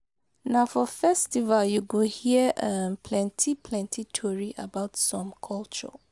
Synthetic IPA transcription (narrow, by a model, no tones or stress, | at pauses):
nãfɔfɛstivaljuɡohiəʔapʰlɛ̃ntʰipʰlɛ̃ntʰitʰɔɹiʔabaʊtsɔ̃mkʰɔlt͡ʃɔ̰